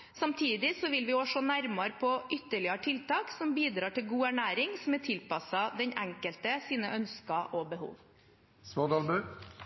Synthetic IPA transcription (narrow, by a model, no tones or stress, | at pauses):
sɑmt̪ʰiːd̪ɪsɔʋɪlʋɪɔːʂɔnæɾmɑɾpʰɔʔʏt̪ːəɭɪɑʈ̪ʰɪlt̪ɑːksɔmbiːd̪ɾɑːʈʰɪlɡuːæɳæːɾɪŋsɔmɛt̪ʰɪlpɑsɑd̪ɛɲɛŋkəlt̪əsiːnəʔœnskɑʔobəhṵːʋ | smod̪ɑːlbʉ